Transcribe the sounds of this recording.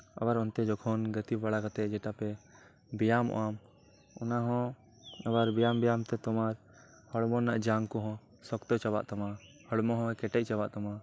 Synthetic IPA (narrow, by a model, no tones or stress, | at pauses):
a̰baɾɔnt̪ɛd͡ʒɔkʰɔnɡət̪ibaɽakat̪ɛʔd͡ʒɛʈapɛ | bɛjamɔ̰ʔam | ɔnaɦɔ̃ | abaɾbɛjambɛjamt̪ɛt̪ɔmaɾ | hɔɽmɔnːaʔd͡ʒaŋkɔɦɔ̃ | sɔkt̪ɔt͡ʃaba̰ʔt̪ama | hɔɽmɔ̃ɦɔ̃ɛkɛʈɛc̚ˀt͡ʃabaʔt̪ama